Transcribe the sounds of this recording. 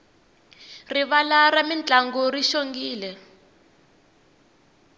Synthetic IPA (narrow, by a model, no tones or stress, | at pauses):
riβalaramint͡ɬʼaŋɡɔriʃoŋɡiːlɛ